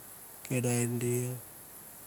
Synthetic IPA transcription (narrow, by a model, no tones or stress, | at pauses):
kedaindia